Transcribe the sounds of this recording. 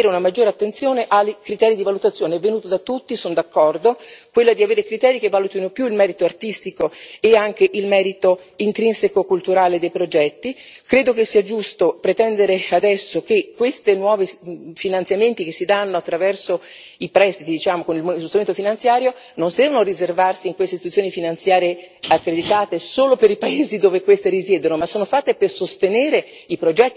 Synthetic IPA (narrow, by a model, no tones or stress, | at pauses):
eːɾeunamad͡ʒːoːɾeat̪ːent̪sjoːneʔakɾit̪ɛːɾid̪ivalut̪at̪sːjoːneɛvːenuːt̪od̪at̪ːut̪ːisonod̪akːɔrd̪okwelːad̪iaveːɾekɾit̪ɛːɾikevːalut̪inopjuilmɛːɾit̪oart̪ist̪ikoeaŋk̟eʔilmɛːɾit̪o | int̪ɾinsekokult̪uɾaːled̪ejpɾod͡ʒɛt̪ːikɾeːd̪okesːiːad͡ʒust̪opɾet̪ɛnd̪eɾead̪ɛsːok̟ekːwest̪enwɔːvefinant̪sjament̪ikesːid̪anːoat̪ːɾavɛrso | ipɾɛst̪it̪id̪it͡ʃaːmokonilmost̪ɾument̪ofinant̪sjaːɾjo | nonsid̪ɛvanorizervarsiːŋkwest̪est̪iut̪sjonifinant̪sjaːɾeakːɾed̪it̪aːt̪esoːlopeɾipaeːzid̪oːvekwest̪eɾizjɛːd̪onomasːoːnofat̪ːepersost̪eneːɾe | ipɾod͡ʒɛt̪ː